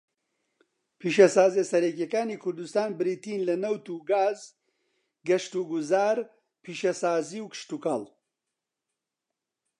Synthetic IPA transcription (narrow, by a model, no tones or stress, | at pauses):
pʰiːʃɐsaːzesɐɾek̬jɐkaːniːkʰʊɾd̪ust̪aːnbɨɾiːt̪iːnlɐnɐwt̪uɡaːz | ɡɐʃt̪uɡuzaːɾ | pʰiːʃɐsaːziːwkɨ̥ʃt̪ukal